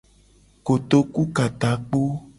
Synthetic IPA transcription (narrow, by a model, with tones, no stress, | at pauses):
ko˨t̪o˨ku˦ka˨t̪a˨k͡po˦